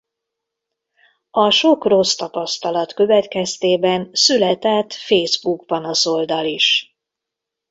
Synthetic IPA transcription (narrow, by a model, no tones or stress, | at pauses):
ɒʃo̞kro̞st̪ɒpɒst̪ɒlɒt̪kø̞vɛt̪kɛst̪eːbɛnsylɛt̪ɛt̪feːzbuɡbɒnɒso̞ld̪ɒliʃ